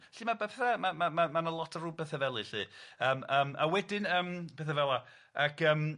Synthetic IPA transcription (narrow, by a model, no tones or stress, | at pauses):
ɬiːmabɛpʰɛθamamamamanəlˠɔtʰərubɛθəvɛlˠɨɬiəːməːmawɛdɪnəmpeθavɛwa | akəːm